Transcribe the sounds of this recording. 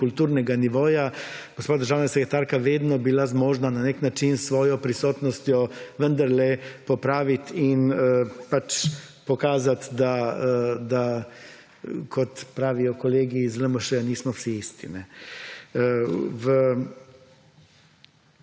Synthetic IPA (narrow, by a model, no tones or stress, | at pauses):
kult̪uːɾnɛɡaniʋoːjaɡ̥ospaːd̪əɾʒaːwnasɛkɾɛt̪aːɾkaʋeːd̪nɔbilazmoːʒnananeknat͡ʃinsʋɔːjɔpɾisɔːt̪nɔst̪jɔʋənd̪aɾlɛpɔpɾaːʋit̪inəpat͡ʃ | pɔkaːzat̪d̪a | d̪a | kʰɔt̪pɾaːʋijɔkɔleːɡizləmɔʃɛaniːsmɔwsiist̪ḭnɛ | ʋə